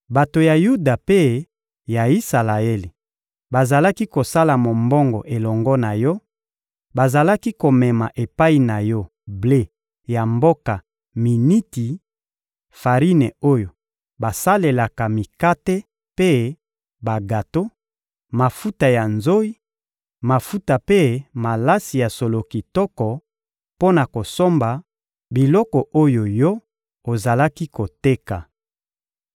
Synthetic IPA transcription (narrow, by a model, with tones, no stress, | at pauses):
ba˨to˨ja˨ju˦da˨pe˦ | ja˨i˦sa˨la˨e˦li˨ | ba˨za˨la˦ki˦ko˨sa˦la˨mo˨mbɔ˦ŋɡɔ̰˨ʔe˨lɔ˨ŋɡɔ˦na˨jɔ˦ | ba˨za˨la˦ki˦ko˨mɛ˨ma˨ʔe˨pa˦i˨na˨jɔ˦ | ble˦ | ja˨mbo˦ka˨ | mi˨ni˦ti˨ | fa˨ʁi˦nɛ˨o˦jo˨ | ba˨sa˦le˨la˨ka˨mi˨ka˦te˦ | pe˦ | ba˨ɡa˨to˦ | ma˨fu˦ta˨ja˨nzo˦i˦ | ma˨fu˦ta˨pe˦ma˨la˦si˨ja˨so˨lo˨ki˨tɔ˦kɔ˨ | po˦na˨ko˨so˦mba˨ | bi˨lɔ˦kɔ˨ʔo˦jo˨jɔ˦ | o˨za˨la˦ki˦ko˨te˦ka˨